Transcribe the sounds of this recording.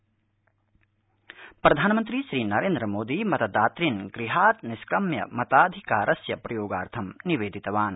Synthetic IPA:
pɾɐd̪ʱaːnɐmɐnt̪ɾiʃɾiːnɐɾeːnd̪ɾɐmoːd̪imɐt̪ɐd̪aːt̪ɾinɡɾiɦaːt̪niskɾɐmjɐ̰mɐt̪aːd̪ʱikaːɾʔɐsjɐpɾɐjoːɡa̰ːɾt̪ʰɐmniʋeːd̪ʱit̪ɐʋaːn

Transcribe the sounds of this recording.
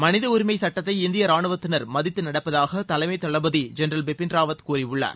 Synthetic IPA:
mɐnɪðɐʊɾɪmɐɪsɐʈːɐt̪ːɐɪɪnd̪ɪjɐɾaːɳɯʋɐt̪ːɪnɐɾmɐðɪt̪ːɯnɐɽɐpːɐðaːɣɐt̪ɐlɐɪmɐɪt̪ːɐɭɐbɐðid͡ʒɛnɾɐlbɪpːɪnɾaːʋɐt̪kuːɾiʊɭːa̰ːɾ

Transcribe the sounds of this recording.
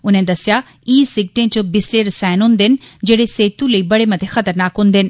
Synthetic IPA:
ʊn̤ẽd̪ɐsija | iːsɪɡ̚ʈẽt͡ɕobɪsleɾɐsaːɪnũːnd̪enɪ̆d͡ʑɐːɽeseːt̪ũlɐiːbɐɽemɐt̪ʰexɐt̪əɾnaːkɦũːnd̪enɪ̆

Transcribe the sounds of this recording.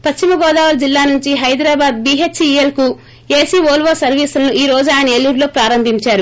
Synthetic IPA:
pɐʃt͡ʃimɐɡɔːd̪aːʋɐld͡ʒilːaːnuɲt͡ʃiɦɐjd̪ɾaːbaːd̪biːɦet͡ʃielku | eːsiːʋoːlʋoːsɐɾʋiːslɐnuʔiːɾo̞ːd͡ʒuaːjɐnɐeːlːuɾlo̞ːpɾaːɾɐmbʱiɲt͡ʃaːɾu

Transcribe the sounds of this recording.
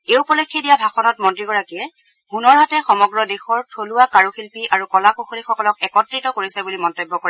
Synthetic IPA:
eupɔlɔkʰːɛdijabʱaxɔnɔtmɔntɹiɡɔɹakijɛ | ɡunɔɹɦatɛxɔmɔɡɹɔdexɔɹtʰoluwakaɹuxilpiʔaɹukɔlakuxolixɔkɔlɔk̚ɛkɔtɹitɔkoɹisɛbulimɔntobːɔkoɹa

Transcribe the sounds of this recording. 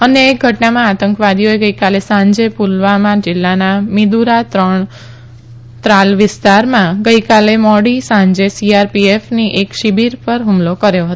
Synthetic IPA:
əneːk̚ɡʱəʈnamãat̪əŋkʋad̪ʱijoeɡəikalesãɲd͡ʒepulʋamãd͡ʒɪlːanamid̪uɾat̪ɾəɳ | t̪ɾalʋɪst̪aɾmãɡəikalemɔɽisãɲd͡ʒesiaɾpiefniʔekʃibiɾpəɾɦumlokəɾjoɦət̪o

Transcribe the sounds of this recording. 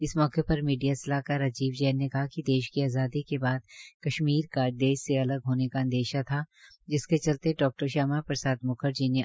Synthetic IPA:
ɪsmɔːkepɐɾmiːɖijasɐlaːkaɾɐd͡ʒiːʋd͡ʒɛːnːekɐɦakid̪eːʃkiaːzaːd̪ikebaːd̪kɐʃmiːɾkad̪eːʃseɐləɡɦoːnekaə̃nd̪eːʃat̪ʰa | d͡ʒɪsket͡ʃɐlt̪eɖɔːk̚ʈəɾʃaːmapɾɐsaːd̪mʊkʰəɾd͡ʒiːne

